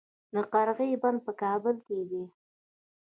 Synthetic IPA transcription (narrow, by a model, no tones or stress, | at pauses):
d̪əqɑɾɣəjband̪̚pəkɑbəlked̪i